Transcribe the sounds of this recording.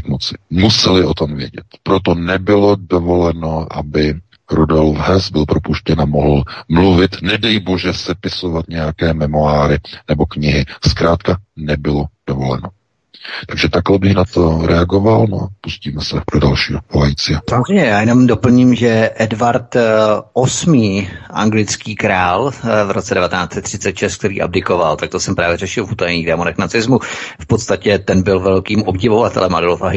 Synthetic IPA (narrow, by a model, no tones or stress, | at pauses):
kmot͡sɪmusɛlɪo̞t̪o̞mvjɛ̰ɟɛ̰t̪pɾot̪o̞nɛbɪlo̞dovo̞lɛnoʔa̰bɪ | ɾudolfɦɛsbɪlpɾo̞puʃcɛnamoɦl̩mluvɪt̪nɛdɛjibo̞ʒɛsɛpɪsovat̪ɲɛjakɛːmɛmoaːɾɪnɛbo̞kɲɪɦɪskɾaːt̪kanɛbɪlo̞d̥ovo̞lɛ̰no̞ | t̪aɡʒɛt̪aklɛbɪxnat̪oɾɛaɡovalno̰a̰pusciːmɛsɛdodalʃiːokolajit͡sɪasamozr̝ɛjɲɛjaːjɛno̞mdo̞pl̩ɲimʒɛʔɛdvaɾt̪ʔosmiːʔa̰ŋɡlɪt͡skiːkɾaːlvɾʔo̞tt͡sɛdɛvat̪ɛnaːt͡sɛt̪ːr̝̥ɪt͡sɛt̪ʃɛst̪k̚t̪ɛɾiːʔa̰b̚dɪko̞valt̪ak̚t̪osɛmpɾaːvjɛɾɛʃɪlvuːt̪ajɲiːɣdɛːmonɛknat͡sɪzmufpo̞t̪st̪acɛt̪ɛnbɪlvɛlkiːmʔo̞bɟɪvo̞vat̪ɛ̰lɛmʔadɪlofaɦɪ